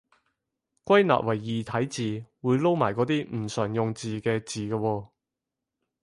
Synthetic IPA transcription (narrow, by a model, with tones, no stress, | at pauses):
kʷɐ˥jna̰ː˨p̚wʔɐ˨˩jːiː˨˩t̪ʰɐ˨˥jt͡siː˨wuː˨˧jlo˥wma̰ː˨˩jkɔː˨˥t̪iː˥m̩˨˩sœː˨˩ŋjʊ˨ŋt͡siː˨˧kɛː˧t͡siː˨kaː˧wɔː˧